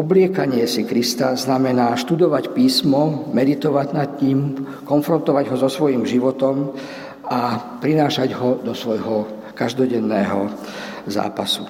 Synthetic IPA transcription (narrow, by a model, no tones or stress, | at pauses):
ɔblɪɛkaɲɪɛsikɾist̪aznamɛnaːʃt̪ud̪ɔʋacpiːsmɔmɛd̪it̪ɔʋaɟnat̪ɲiːm | kɔnfɾɔnt̪ɔʋaɟɦɔzɔsʋɔjiːmʒiʋɔt̪ɔm | apɾinaːʃaɟɦɔd̪ɔsʋɔjɦɔ | kaʒd̪ɔɟɛnːɛːɦɔ | za̰ːpasu